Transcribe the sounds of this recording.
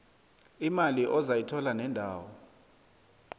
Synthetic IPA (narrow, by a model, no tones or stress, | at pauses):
imaliʔɔzajitʰɔlanɛndʱaːwɔ